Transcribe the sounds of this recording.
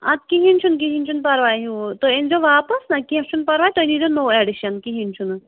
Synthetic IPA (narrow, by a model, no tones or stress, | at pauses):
ɐ̰t̪̚kiɦinʲt͡ʃʰunk̬iɦint͡ʃʰunpɐɾʋaːjɦut̪oend͡ʒoʋaːpɐsnɐkiɦɐ̃t͡ʃʰunpɐɾʋaːjt̪onid͡ʒonoːeɖiʃɐnkiɦint͡ʃʰun